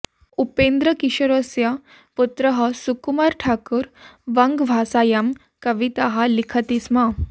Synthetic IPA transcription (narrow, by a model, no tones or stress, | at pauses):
upend̪ɾəkiɕəɾosja | put̪ɾəɦəsukumaɾʈʰakuɾʋəŋɡʋʱasajam | kəʋit̪aɦalikʰət̪isma